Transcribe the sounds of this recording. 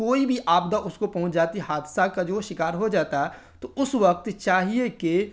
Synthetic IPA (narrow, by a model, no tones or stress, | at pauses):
oːibʱiʔaːbd̪aʔʊskopɐɦʊ̃ɲt͡ʃd͡ʒaːt̪iɦaːd̪sakad͡ʒoʃɪkaːɾɦod͡ʒaːt̪aɦɛ | t̪oʊsʋɐk̚t̪t͡ʃaːɦieke